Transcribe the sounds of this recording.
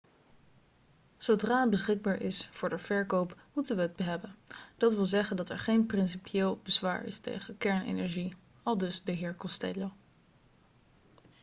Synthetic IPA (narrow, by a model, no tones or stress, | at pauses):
z̥odraːt̚bəsχɪɡ̚baːɹʔɪsfʊːɹdəv̥ɛɹkowpmutənʋəɦəd̚bəɦɛbənd̥ɑtʋɪlˠzɛχəndɑtɛ̰ɹχejnprɪnsipjeːlˠbəzʋa̰ːɹɪ̰stḛjχəkɛɹnḛnɛɹʒi | ɑlˠdɵsdəɦɪːɹkɔstɛ̰lo